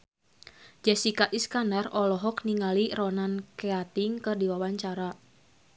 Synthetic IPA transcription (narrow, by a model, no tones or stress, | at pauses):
d͡ʒɛsikaʔiskandarɔlɔɦɔkniŋalirɔnankɛat̪iŋkɨrdiwawaɲt͡ʃaɾa